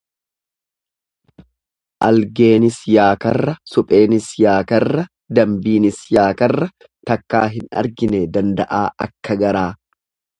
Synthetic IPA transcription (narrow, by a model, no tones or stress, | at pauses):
ʔɐlɡeːnɪsjaːkɐrːɐsʊpʼe̞ːnɪsjaːkɐrːɐ | d̪ɐmbiːnɪsjaːkɐrːɐ | t̪ɐkːa̰ːɦɪnɐ̰ɾɡɪnɛd̪ɐnd̪ɐʔaːɐ̰kːɐɡɐɾaː